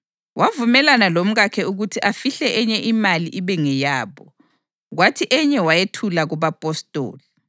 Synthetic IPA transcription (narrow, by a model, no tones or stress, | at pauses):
wavumɛlanalom̩ɣakʰɛuɣutʰiʔafiɬɛʔɛɲɛʔimaliʔiβɛŋɛjaːβɔ | ɣwatʰiʔɛɲɛwajetʰulaɣuβapʼɔstʼo̰ːli